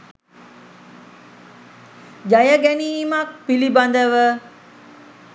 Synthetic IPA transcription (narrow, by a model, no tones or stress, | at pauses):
d͡ʒajəɡɛniːmak̚piliband̪əʋə